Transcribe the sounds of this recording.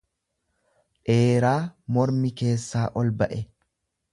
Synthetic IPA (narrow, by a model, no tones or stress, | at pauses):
ᶑe̞ːɾaːmɔɾmɪke̞ːsːaːʔɔlbɐʔɛ